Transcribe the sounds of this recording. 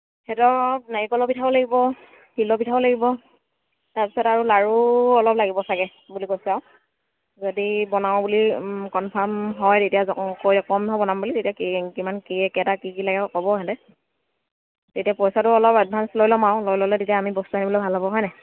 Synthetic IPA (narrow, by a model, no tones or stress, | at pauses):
hɛtɔnaɹikɔlɔbitʰabɔlaɡibɔ | hilɔbitʰabɔlaɡibɔ | taɹpisɔtaɹulaɹuɔlɔplaɡibɔsaɡɛ | bulikojsaʊ | zodibɔnaw̃bulikɔnpʰamɦɔjtetijazɔkojɔkɔmɔbɔnambulizetijakikimankiɛkɛtakikilaɡɛkɔbɔɦɛdɛ | tetijapɔjsatʊɔlɔpad̚bʱanslojlɔmaʊ̃lojlɔlɛtetiaːmibɔstuanibɔlɔbʱalɦɔbɔɦɔjnɛ